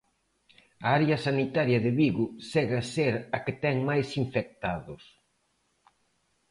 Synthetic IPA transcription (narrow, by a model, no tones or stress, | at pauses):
ɐaɾjɐsanit̪aɾjɐðɪβiɣʊsɛɣɐseɾɐkɪt̪ɛŋmajsiɱfek̚t̪aðʊs